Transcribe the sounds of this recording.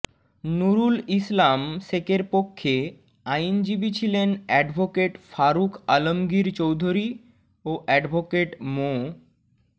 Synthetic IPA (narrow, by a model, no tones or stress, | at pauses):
nuɾulislamsekeɾpokʰːe | aind͡ʑibit͡ɕʰilenɛɖbʱokeʈfaɾukalomɡiɾt͡ɕowd̪ʱoɾi | oʔɛɖbʱokeʈmo